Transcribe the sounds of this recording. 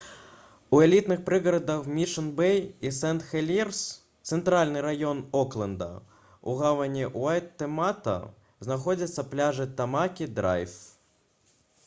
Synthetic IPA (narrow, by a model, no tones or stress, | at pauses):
uɛlʲit̪nɨxpɾɨɣɐɾɐd̪ɐxmʲiʂɐnbɛjisɛnt̪xɛlʲirs | t̪sɛnt̪ɾalʲnɨɾajɔnɔklˠɐnd̪ɐ̰ | ṵɣavɐnʲiʔuajt̪ːɛmat̪ɐ̰ | znaxɔd͡zʲɐt̪sːɐplʲaʐɨt̪amakʲid̪ɾa̰jf